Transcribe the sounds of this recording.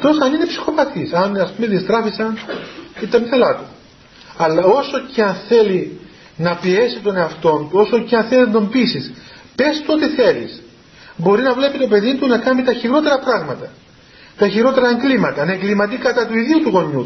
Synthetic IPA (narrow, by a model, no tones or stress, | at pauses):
ɐt̪o̞sɐnine̞psi̥xo̞pɐt̪isɐnɐspumeðist̪ɾɐfisɐnit̪ɐmiθelɐt̪u | ɐlːɐo̞so̞ceɐnθe̞li | nɐpie̞sit̪o̞ne̞ɐft̪o̞nt̪uo̞so̞ceɐnθe̞lnd̪ombisispe̞st̪ot̪iθe̞lḭs | bo̞ɾinɐvle̞pit̪o̞pe̞ðit̪unɐkɐmit̪ɐçiɾo̞t̪e̞ɾɐpɾɐɣmɐt̪ɐ | t̪ɐçiɾo̞t̪e̞ɾɐeŋɡlimɐt̪ɐnɐeŋɡlimɐt̪̬ikɐt̪ɐt̪uiðiut̪uɣo̞ɲu